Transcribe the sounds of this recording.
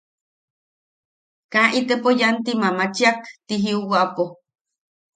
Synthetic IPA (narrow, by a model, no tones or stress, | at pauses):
kãʔit̪epojant̪imamat͡ʃiakt̪iɦiuwaʔapo